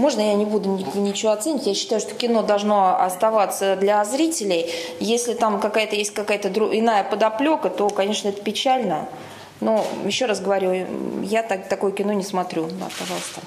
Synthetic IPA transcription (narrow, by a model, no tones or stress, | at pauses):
mo̞ʐnəjanʲɪbud̪ʊnʲɪnʲɪt͡ɕɪvoɐt̪senʲɪtʲjaɕːɪ̥t̪ajʊʂt̪o̞kʲɪno̞d̪ɐlˠʐno̞ɐ̰st̪ɐvat̪səd̪lʲɐzɾʲitʲɪlʲɪjjesʲlʲɪt̪amkɐkajət̪əjesʲtʲkɐkajət̪əd̪ɾʊʔɪnajəpəd̪ɐplʲo̞kət̪o̞kɐnʲe̞ʂnəɛt̪əpʲɪt͡ɕælʲnə | no̞jɪɕːo̞ɾasɡəvɐɾʲujat̪at̪ɐko̞jəkʲɪno̞nʲɪsmɐt̪ɾʲud̪a̰pɐʐɑlˠsʲt̪ə